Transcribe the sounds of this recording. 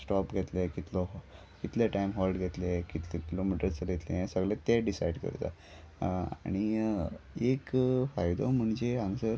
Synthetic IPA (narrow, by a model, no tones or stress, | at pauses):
sʈɔpɡʱɛt̪lekit̪lɔɦ | kit̪lɛʈajmɦɔlɖɡʱɛt̪lekit̪lɛkilomiʈəɾt͡səɡʱet̪lejãsəɡlet̪eɖisajɖkə̰ɾt̪a̰ | aɽ̃i | ekfajd̪ɔm̤əɳd͡ʑeaŋsəɾ